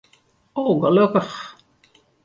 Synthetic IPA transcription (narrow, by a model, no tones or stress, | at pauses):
owɣəlɵkəχ